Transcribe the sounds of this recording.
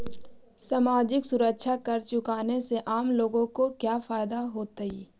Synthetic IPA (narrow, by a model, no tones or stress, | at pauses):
saːmaːd͡ʒɪksʊɾəkʃʰakɐɾt͡ʃʊkaːneseʔaːmloːɡõkokjaːfaːjd̪aɦoːt̪aiː